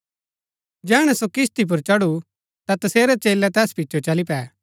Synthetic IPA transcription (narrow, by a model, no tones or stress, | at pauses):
d͡ʒɛːɽ̃ɛsokɪst̪ip̬ʊɾt͡ʃɐɽu | t̪at̪ɐseːɾɛt͡ʃeːlɛt̪ɛːspitːt͡ʃʰot͡ʃɐlipɛː